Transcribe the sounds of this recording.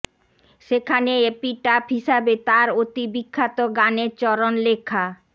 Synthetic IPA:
ʃekʰaneepiʈapɦiʃabet̪aɾot̪ibikʰːat̪oɡaneɾt͡ɕɔɾonlekʰːa

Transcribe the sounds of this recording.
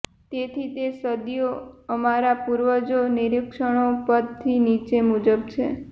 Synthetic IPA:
t̪et̪ʰit̪esəd̪ijoəmaɾapuɾʋəd͡ʒonɪɾɪkʃəɽ̃opəd̪̚t̪ʰinit͡ʃemud͡ʒəbt͡ʃʰe

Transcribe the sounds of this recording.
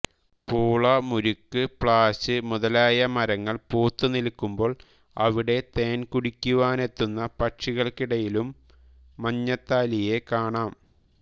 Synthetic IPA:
puːɭɐmuɾukːɨpɭaːɕɨmuðɐlaːjɐmɐɾɐŋːɐɭpuːt̪ːunilkːumbo̞ːɭ | ɐ̰ʋiɽe̞t̪e̞ːnkuɽikʲːuʋaːne̞t̪ːunːɐpɐʈʂiɣɐɭkiɽɐjilumː | ɐɲːɐt̪ːaːlije̞kaːɳaːm

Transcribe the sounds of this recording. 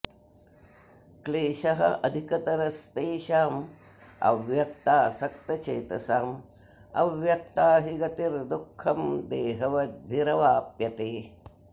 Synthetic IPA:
kleːʃɐɦɐ̰ʔɐd̪ʱikɐt̪ɐɾɐst̪eːʃaːm | ɐ̰ʋjɐk̚t̪aːsɐk̚t̪ɐt͡ʃeːt̪ɐsaːm | ɐ̰ʋjɐk̚t̪aːɦiɡɐt̪iɾd̪ukʰːɐmd̪eːɦɐʋɐbʱiɾɐʋaːpjɐt̪eː

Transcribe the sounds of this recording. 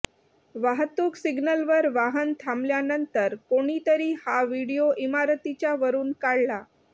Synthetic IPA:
ʋaɦət̪ːuːksiɡnəlʋəɾʋaɦənt̪ʰamljanənt̪əɾkoɽ̃it̪əɾiːhaʋiɽijoʔimaɾt̪it͡ɕjaʋəɾuːnkaɽla

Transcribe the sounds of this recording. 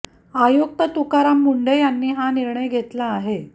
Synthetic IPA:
ajok̚t̪ət̪ukaɾamːuɳɖejanːiːɦaniɾɳəjɡʱet̪laːɦe

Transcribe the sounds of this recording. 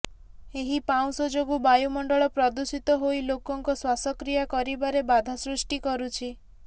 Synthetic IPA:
eɦipaw̃sɔd͡ʒoɡubajumɔɳɖɔɭɔpɾɔd̪usit̪ɔɦoilokɔŋkɔswasɔkɾijakɔɾibaɾebad̪ʱasɾusʈikɔɾut͡ʃʰi

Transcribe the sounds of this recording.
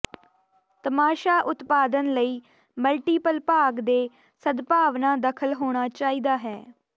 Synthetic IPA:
t̪əmaːʃaːʔʊt̪paːd̪ənləiː | məlʈiːpəlpaːɡd̪eː | səd̪paːʋnãːd̪əkʰəlɦoːɽ̃aːt͡ʃaːiːd̪aːɦɛː

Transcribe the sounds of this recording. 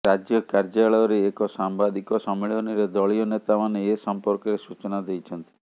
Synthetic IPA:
ɾad͡ʒjɔkaɾd͡ʒaɭɔjɔɾeːkɔsambad̪ikɔsɔmːiɭɔniɾed̪ɔɭijɔnet̪amaneesɔmpɔɾkɔɾesut͡ʃɔnad̪ejt͡ʃʰɔnt̪i̥

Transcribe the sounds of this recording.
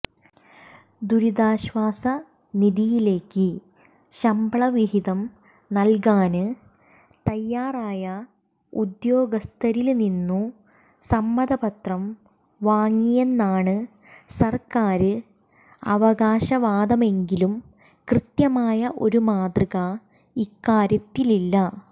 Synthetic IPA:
d̪uɾid̪aːɕʋaːsɐ | niðijile̞ːkːɨ | ɕɐmbɐɭɐʋiɦiðɐm | nɐlkaːnɨ | t̪ɐjːaːraːjɐ | ud̪jo̞ːɡɐst̪ʰɐɾilninːu | sɐmːɐd̪ɐbɐt̪rɐm | ʋaːŋːijenːaːɳɨ | sɐrkaːɾɨ | ɐ̰ʋɐɣaːɕɐʋaːd̪ɐme̞ŋɡilum | krɨt̪jɐmaːjɐʔo̞̰ɾumaːd̪rɨɣɐ | ikːaːɾjɐt̪ːililːɐ

